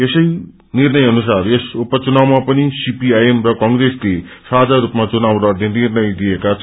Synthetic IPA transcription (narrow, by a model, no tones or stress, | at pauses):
esʌj | nirnʌjʌnusaresupʌt͡sunawmapʌnisipiajemrʌkʌŋɡresle | sad͡zʱaɾupmat͡sunawɾoʌd̪ʱjʌnirnʌjd̪ijekat͡sʰʌ